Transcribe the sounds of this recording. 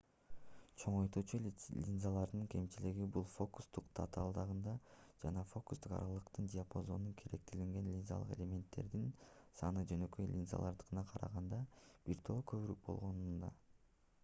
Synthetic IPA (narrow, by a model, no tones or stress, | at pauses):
t͡ʃʰo̞ɴojt̪uːt͡ʃulʲinzalˠɑɾd̪ɯŋkʲʰe̞mt͡ʃiliɡibulˠfo̞ku̥st̪uqt̪ʰat̪alˠd̪ɑʁɯnd̪ɑd͡ʒɑnɑfo̞ku̥st̪uqɑ̰ɾɑlˠɯqt̪ɯndʲɪapo̞zo̞nunkʰe̞ɾe̞k̚t̪iliŋɡe̞nlʲinza̰lˠɯ̰qe̞̰lʲe̞mʲe̞nt̪ːe̞̰ɾd̪insɑnɯd͡ʒø̞nø̞kø̞jlʲinza̰lˠɑɾd̪ɯ̥ʁɯnɑqʰɑɾɑ̰ʁɑnd̪ɑb̥iɾt̪ʰo̞kʰø̞βyɾyk̚bo̞̰lˠʁo̞nund̪ɑ